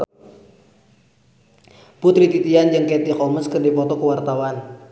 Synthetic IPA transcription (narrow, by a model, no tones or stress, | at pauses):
put̪ɾit̪it̪iand͡ʒɨŋkɛt̪ihɔməskərdipɔt̪ɔkəwart̪awan